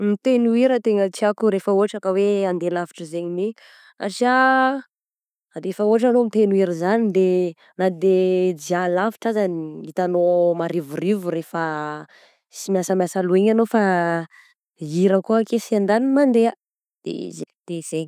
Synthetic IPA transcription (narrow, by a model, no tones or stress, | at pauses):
mit̪enuiɾət̪eŋət͡siakuɾefəoaʈ͡ʂakəweand̪elafi̥ʈ͡ʂəzeɲini | a̰ʈ͡ʂia | ad̪efaoaʈ͡ʂanomit̪enuiɾizanid̪e | nad̪ed͡ʒialafiʈ͡ʂazaniit̪anomaɾivurivuɾefə | simjasəmjasalueɲanofa | iɾəkuakesiand̪animand̪ea | d̪̥ḛzed̪̥ez̥eɲ